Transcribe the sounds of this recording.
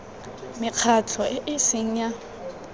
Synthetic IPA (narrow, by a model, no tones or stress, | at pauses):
mɪq͡χʰatʰɔʔɪʔɪsɪŋ̩ja